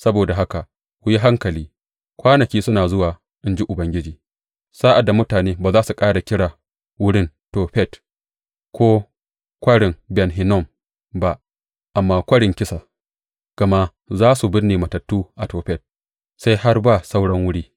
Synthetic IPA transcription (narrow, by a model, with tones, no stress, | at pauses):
sɐ˦boː˨da˨ɦa˦ka˨ | wʷʊ˦ji˦ɦa˦ŋkɐ˨liː˦ | kʷaː˦nɐ˨kʲiː˦sʊ˦naː˨zʊ˦waː˨ | ʔɪ˦nd͡ʒi˦ʔʊ˨bɐ˦ŋɡʲɪ˦d͡ʒiː˨ | saː˦ʔa˨da˨mʊ˦taː˨neː˦baː˨zaː˦su˨kʼaː˦ɽa˨kʲɪ˦ɽaː˨ | wʊ˦ɽɪ˦n | toː˨ɸɛ˦˨t | kʷoː˦ | kʷɐ˦ɽɪ˨ŋbɛ˨nɦɪ˨nɔ˦˨m | ba˦ʔ | ʔa˨mːaː˨kʷɐ˦ɽɪ˨ŋkʲɪ˦sa˨ | ɡ̥ɐ˨ma˦ | zaː˦su˨bɪ˦rneː˨mɐ˨tɐ˨tːuː˦ʔa˨toː˨ɸɛ˦˨t̚ | sa˦jha˦rba˦˨sa˦wɽɐ˦ŋwʊ˦ɽiː˦